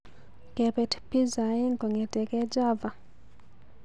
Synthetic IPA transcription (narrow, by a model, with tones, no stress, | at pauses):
kɛ˨pɛ˨tpi˦za˨i˦ŋkɔ˨ŋɛ˨tɛ˨kɛ˦d͡ʒa˦va˨